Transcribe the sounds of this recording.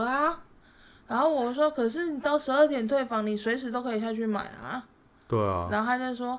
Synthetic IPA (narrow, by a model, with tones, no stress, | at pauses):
a˧˦ | ɻa˧˥nxo˥˩ʊwɔ˨˩˥ʂ̬wɔ˥kʰɤ˨˩ʂ̬ɻ̩˥˩ni˨˩t̪ɑ˥˩ʊʂɻ̩˧˥ə˥˩t̪ʰjɛ˨˩nt̪ʰwe˥˩ɪfɑ˧˥ŋni˨˩swe˧˥ɪʂ̬ɻ̩˧˥t̪o˥ʊkʰɤ˧i˨˩ɕ̬a˥˧t͡ɕʰy˥˩ma̰˨˩ɪa̰˨˩ | t̪we˥˩ɪɐ̰˩a˧˥nxo˥˧a˧ɪa˥˧˩ɪʂ̬wɔ˥